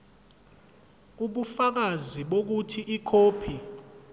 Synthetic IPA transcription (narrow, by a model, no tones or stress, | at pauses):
uɓufak̬aziɓok̬utʰiʔikʰoːpʰi